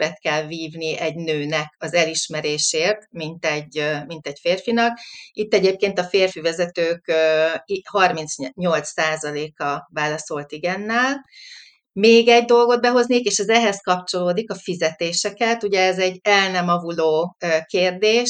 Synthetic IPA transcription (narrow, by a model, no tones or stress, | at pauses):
bɛt̪kɛlviːvniɛɟnøːnɛkɒzɛliʃmɛɾeːʃeːrt̪mint̪ɛɟːmint̪ɛɟfeːrfinɒkit̪ːɛɟeːp̚keːnt̪ɒfeːrfivɛzɛt̪øːkøhɒrmint̪sɲo̞lt̪saːzɒleːkɒvaːlɒso̞lt̪iɡɛnːɛl | meːɡɛɟd̪o̞lɡo̞d̪̚bɛɦo̞znekeːʃɛzɛɦɛskɒpt͡ʃo̞loːd̪ikɒfizɛt̪eːʃɛkɛt̪uɟɛɛzɛɟːɛlnɛmɒvuloːøkeːrd̪eːʃ